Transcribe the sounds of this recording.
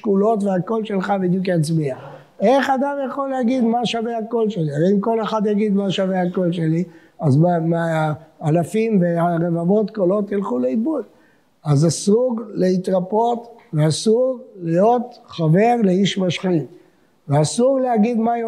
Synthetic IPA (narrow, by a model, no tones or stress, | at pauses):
kulo̞t̪veako̞lʃe̞lχabid̪jukjat͡smia | e̞χad̪amjaχo̞lːehaɡid̪maʃavehako̞lʃeliaimko̞le̞χad̪jaɡid̪maʃaveako̞lʃeli | azmmː | lafimveaʁevavo̞t̪kolo̞t̪jilχuleibud | azasuɡleit̪ʁapo̞tveasuʁlijo̞t̪χave̞ʁleiʃmaʃχit | veasuʁleaɡid̪ma